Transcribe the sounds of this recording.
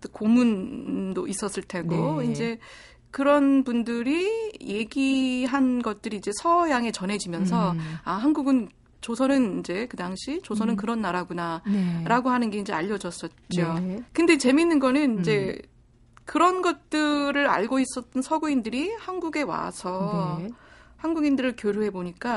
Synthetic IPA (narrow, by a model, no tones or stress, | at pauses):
tokomundois͈ʌs͈ɯɭtʰe̞ɡoind͡ʑe̞ | kɯɾʌnpundɯɾije̞ɡiɦanɡʌt̚t͈ɯɾiːd͡ʑe̞sʰʌjaŋe̞t͡ɕʌnɦe̞d͡ʑimjʌnsʰʌaɦanɡuɡɯn | t͡ɕosʰʌnɯnind͡ʑe̞kɯdaŋɕʰit͡ɕosʰʌnɯnkɯɾʌnːaɾaɡunaɾaɡoɦanɯnɡe̞ind͡ʑe̞aʎːʌd͡ʑʌs͈ʌt̚t͡ɕ͈iokɯnde̞t͡ɕe̞minːɯnɡʌnɯnind͡ʑe̞ | kɯɾʌnɡʌt̚t͈ɯɾɯɾa̰ɭɡois͈ʌt͈̚ʌnsʰʌɡuindɯɾihanɡuɡe̞wa̰sʰʌ | hanɡuɡindɯɾɯɭkjoɾjuɦe̞boɲik͈a